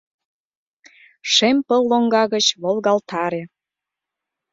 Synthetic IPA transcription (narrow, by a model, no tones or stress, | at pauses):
ʃempəlːoŋɡɑɣət͡ɕβolɣɑlt̪ʰɑɾe